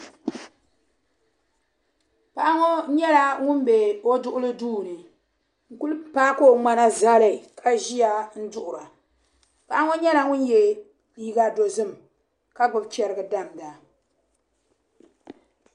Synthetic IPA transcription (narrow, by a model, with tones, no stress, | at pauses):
pa˨ʔa˦ŋo˦ɲɛ˦la˦ŋʊ˦m˦be˨o˦dʊ˦ʔʊ˦lɨ˦duː˦˨nɨ˨ | ŋ̩˨ku˦lpaː˦ko˦˨ŋ͡ma˦na˦za˦lɨ˨kʰa˦ʒi˦ja˦n̩˦dʊ˦ʔʊ˨ɾa˨ | pa˨ʔa˦ŋo˦ɲɛ˦la˦ŋʊ˦njɛ˨ | ji˦ɡa˦do˨zɨ˦m | ka˦ɡ͡bɨ˨bt͡ʃɛ˨˦ɾɨ˦ɡɨ˨da˦m˨da˨